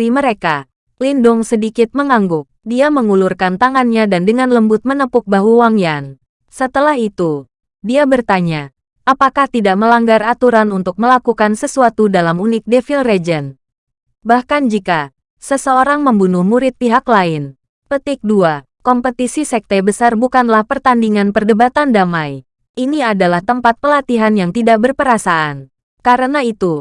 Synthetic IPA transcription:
iməɾeka | lindʊŋsədikɪt̪̚məŋaŋɡʊk̚diaməŋulurkant̪aŋanɲadandəŋanləmbʊt̪̚mənəpʊk̚baɦuwaŋjan | sət̪əlahit̪u | diabərt̪aɲa | ʔapakaht̪idaʔməlaŋɡarat̪uɾanunt̪ʊk̚məlakukansəsuat̪udalamunɪk̚defilred͡ʒən | bahkand͡ʒika | səsəoɾaŋməmbunʊhmuɾɪt̪̚piɦaklaɪn | pət̪ɪk̚dua | kɔmpət̪isisɛk̚t̪ɛbəsarbukanlahpərt̪andiŋanpərdəbat̪andamaj | iniadalaht̪əmpat̪̚pəlat̪iɦanjaŋt̪idaʔbərpəɾasaʔan | kaɾənait̪u

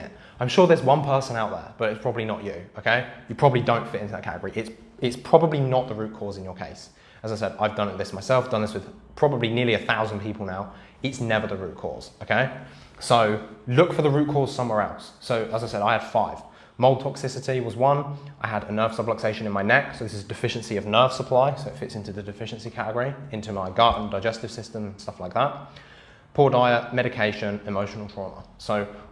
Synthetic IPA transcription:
ãɪ̃mʃɔːɹðɪswʌ̃npʰɜˑ˞sə̃naʊʔ̪̚ðə̰˞b̥ʌɾɪtspʰɹ̥ɒbəblinət͡ʃɨoʊkʰeɪjɨpʰɹ̥ɒbəblidə̃ʊ̃ntfɪtɪ̃ntʰəðə̰kʰæ̰atɪɡəɹiʔɪts | ɪtspʰɹ̥ɒbəblinəʔ̪̚ðəɹʉˑʔ̚kʰɔːzɪ̃n̩jəkʰeɪs | əzaɪsɛdaɪvdʌ̃nɪt̪̚ðɪsmaɪsɛlˠfd̥ʌ̃nðɪswɨð̥pʰɹ̥ɒbəblinɪəɹliɨθaʊzə̃npʰipʰəl̩ˠnaʊ | ɪtsnɛvə˞ðəɹʉ̰ˑʔ̚kʰɔ̰ːz̥oʊkʰeɪ | soʊlʊkfəðəɹʉˑt̚kʰɔɹz̥sʌ̃mwɛɹɛlˠsːoʊʔəzaɪsɛɾaɪəd̥faɪv̥ | mɒoʊlˠd̚tʰɒksɪsɪtiwɒzwʌ̃nʔaɪəɾənɜːv̥sʌbləkseɪʃə̃nɪ̃nmaɪnɛksoʊðɪsɪzədɨfɪʃə̃nsiəvnɜːv̥səpʰl̥aɪsoʊɪtfɪtsɪ̃ntʉðədɨfɪʃə̃nsikʰatɪɡəɹiɪ̃ntʉmaɪɡɑːˑʔn̩daɪd͡ʒɛstɪv̥sɪstə̃m̩stʌflaɪk̚ðat̚ | pʰʊːdaɪəʔmɛɾɪkʰeɪʃə̃nɪməʊʃən̩l̩ˠfʰɹɔːmə̰soʊ

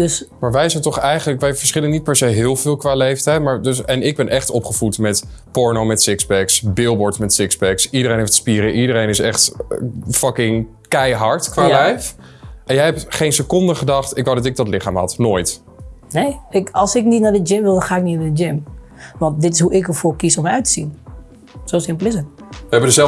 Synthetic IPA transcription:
døsmaːɹʋɛjsɛjntɔχɛjχənləkʋɛjvəɹsχɪlənit̚pɛɹsejɦɪːlˠvɪːlˠkʋaːlejftɛjtmaːɹdøsɛnɪɡ̚bɛnʔɛχtɔpχəv̥utmɛtpɔɹnowmɛtsɪksbɛksbɪlˠbɔɹtmɛtsɪksbɛksidəɾejnɦeftspiːɾəʔidəɾejnɪsɛχt | fɑkɪŋ | kɛjɦɑɹtkʋaːlɛjf | ʔɛnjɛjɛp̚tχejnsəkɔndəχədɑχtɪkʋawdɑtɪk̚dɑtlɪχaːmɦɑ̰tnoːjt | nejɪkɑlˠsɪknitnadəd͡ʒɪmʋɪlˠdɔnχaːɪk̚nitnadəd͡ʒɪm | ʋɑntdɪtɪsɦuʔɪkəɹfʊːɹkisɔməœɥtə̥sin | sowsɪmpəlˠɪsətɛbəədəzɛ

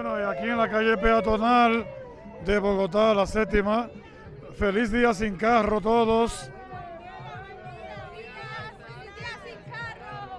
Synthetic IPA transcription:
wenoiakienlakaʝe̞pe̞at̪o̞nal | d̪e̞βo̞ɣot̪̬alaset̪ima | fe̞lisðias̬iŋkaro̞t̪o̞ðo̞s

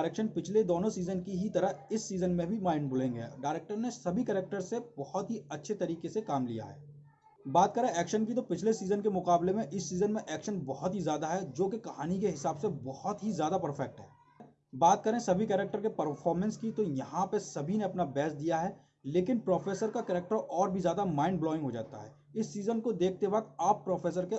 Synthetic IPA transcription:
ɾeːkʃənpɪt͡ʃʰled̪oːnõsiːzənkiɦit̪ɐɾəɦɪsːiːzənmẽbʱimaːɪ̃ɳɖbʊlẽːŋɡḛːɖaːɪɾeːk̚ʈəɾnesɐbʱikɛːɾek̚ʈəɾsebɔhɔt̪ɦiɐtːʃʰet̪ɐɾiːkesekaːmlḭja̰ɦɛ̰ː | baːt̪̚kɐɾẽɛːkʃənkit̪̬opɪt͡ʃʰlesiːzənkemʊqaːblemẽʔɪsːiːzənmẽʔɛːkʃənbɔɦɔt̪ɦizjaːd̪aɦɛd͡ʒoːkekɐɦaːnikeɦɪsaːbsebɔhɔt̪ɦizjaːd̪apɐɾfʰɛk̚ʈɦɛ̰ː | baːt̪̚kɐɾẽsɐbʱikɛːɾɛk̚ʈəɾkepɐɾfʰɔːɾmɛ̃nskit̪ojɐɦãpɐsɐbʱineɐpnabɛːsd̪ijaɦɛː | leːkɪnpɾɔːfʰeːsəɾkakɛːɾek̚ʈəɾɔːɾbʱizjaːd̪amãːɪ̃ɳɖblɔːɪ̃ŋɡɦod͡ʒa̰ːt̪a̰ɦɛː | ɪsːiːzənkod̪eːkʰt̪ebət̪aːpːɾɔːfʰeːs̬əɾke

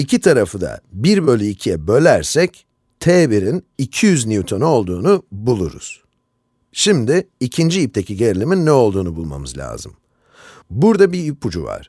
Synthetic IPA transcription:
icʰit̪ʰaɾafɯd̪a̰biɾbø̞lʲyicʰijɛbø̞lʲæɾsɛc | t̪ʰeːbiɾinicʰijyzniut̪ʰonuo̞lˠd̪uːnubulˠṵɾṵz̥ | ʃimd̪iːcʰind͡ʒiip̚t̪ʰecʰiɟeɾilʲiminːɛo̞lˠd̪uːnubulˠma̰mɯzlʲa̰ːzɯm | buɾd̪abiipʰud͡ʒṵva̰ɾ̥

